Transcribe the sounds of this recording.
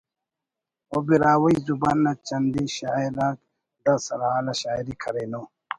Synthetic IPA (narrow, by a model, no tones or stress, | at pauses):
obiɾaːwajzubanːat͡ʃand̪iɕaːiɾak̚ | d̪asɐɾalaɕaːiɾikʰɐɾeno